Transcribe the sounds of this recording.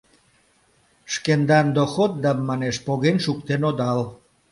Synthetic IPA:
ʃkend̪ɑnd̪oxot̪̚d̪ɑmːɑneʃpoɣenʃukt̪enod̪ɑl

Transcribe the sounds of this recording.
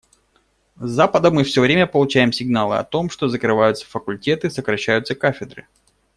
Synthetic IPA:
zːapəd̪əmɨfsʲɵvɾʲemʲəpəlˠʊt͡ɕæjɪmsʲɪɡnalˠɨ̰ɐ̰t̪o̞mʂt̪o̞zəkɾɨvajʊt̪sə̥fəkʊlʲtʲe̞t̪ɨsəkɾɐɕːæjʊt̪səkafʲɪd̪rɨ̰

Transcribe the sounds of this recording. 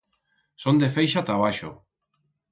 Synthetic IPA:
sond̪efejʃat̪aβ̞aʃo̰

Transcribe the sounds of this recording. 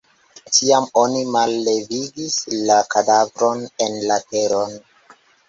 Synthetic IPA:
tiamo̞nimalːe̞viɡislakadavɾo̞nenlateɾon

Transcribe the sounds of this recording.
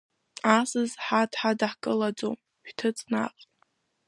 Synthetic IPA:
asɨzħadħadaħkʼɨlad͡zom | ʃᶣtʰɨt͡sʼna̰qʼ

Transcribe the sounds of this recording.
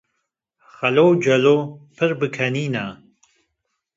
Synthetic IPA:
χɐlowd͡ʒɐloːpʰɨrbɨkʰɐniːnaː

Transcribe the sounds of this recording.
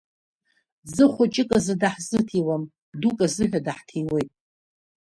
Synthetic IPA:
zɨχʷʊt͡ʃʼɪkʼazɨdaħzɨtʰiwam | dukʼazɨħʷᶣadaħtʰiwe̞jtʼ

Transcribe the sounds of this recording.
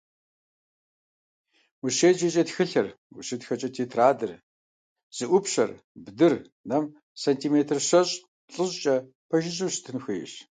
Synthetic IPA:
wuɕeːd͡ʒet͡ʃʼɐtxɨɬɐr | wʊɕɪtxɐt͡ʃʼɐtʰeːtʰraːdɨr | z̥ɨʔʷʊpɕɐ̰r | bdɨr | nɐm | sɐntʰiːmeːtʰɨrɕɐɕʼ | ɬʼɨɕt͡ʃʼɐ | pʰɐʒɪɕ̬ʼɨwstʰɨnxʷḭːɕ

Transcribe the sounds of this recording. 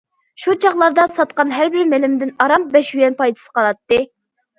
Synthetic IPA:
ʃut͡ʃʰɑχlˠɑɾd̪ɑsɑt̪̚qɑnɦæɾbɪɾmelɪmd̪ɪnɑɾɑm̚bɛʃyjɛnpɑjd̪ɨ̥sə̥qʰɑlˠɑt̪ːɨ

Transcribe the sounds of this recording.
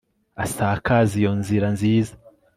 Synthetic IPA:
asakʰazijo̞nziɾanziːza

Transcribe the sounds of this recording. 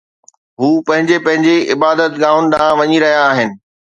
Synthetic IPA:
ɦuːpɐ̃ɦɪ̃ɲd͡ʑepɐ̃ɦɪ̃ɲd͡ʑeɪbaːd̪ət̪ɡãːʊnɪ̆ɗ̪aãʋɐɲiɾɐɦijaːɦɪnɪ̆

